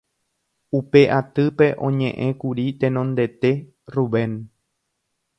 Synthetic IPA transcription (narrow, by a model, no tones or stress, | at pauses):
upe̞ʔat̪ɨpe̞ʔõ̞ɲẽ̞ʔẽ̞kuɾit̪ẽnõnd̪e̞t̪e̞ | ruβẽ̞n